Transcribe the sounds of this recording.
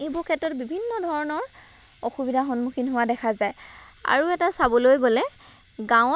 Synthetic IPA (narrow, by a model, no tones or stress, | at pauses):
ebukʰɛtɔt̚bibʱinːɔdʱɔɹɔnɔɹ | ɔxubidʱaxɔnmukʰinɦʊwadɛkʰazaja̰ɹuɛtasabɔlojɡolɛ | ɡãw